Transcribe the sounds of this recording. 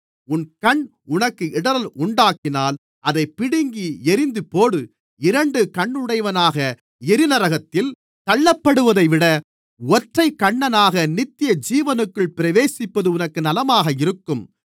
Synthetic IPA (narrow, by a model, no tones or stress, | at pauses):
ʊnkɐɳ | ʊnɐkːɯɪɽɐɾɐlʊɳɖaːkɪnaːl | ʔɐðɐɪpːɪɽɪŋɡiɛɾɪnd̪ɯpoːɽɯ | ɪɾɐɳɖɯkɐɳːɯɽɐɪʋɐnaːɣɐ | ɛɾɪnɐɾɐɣɐt̪ːɪl | t̪ɐɭːɐpːɐɽɯʋɐðɐɪʋɪɽɐ | ɔʈrɐɪkːɐɳːɐnaːɣɐnɪt̪ːɪjɐd͡ʒiːʋɐnɯkːɯɭpɪɾɐʋeːsɪpːɐðɯʊnɐkːɯnɐlɐmaːɣɐɪɾɯkːɯm